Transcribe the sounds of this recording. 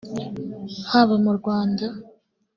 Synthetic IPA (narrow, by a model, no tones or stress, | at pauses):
haβamuɾɡwaːnda